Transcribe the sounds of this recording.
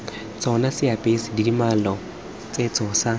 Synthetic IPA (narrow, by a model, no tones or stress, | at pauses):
t͡sʼɔnasɪapʼesɪdidimalɔ | t͡sʼet͡sʼɔsa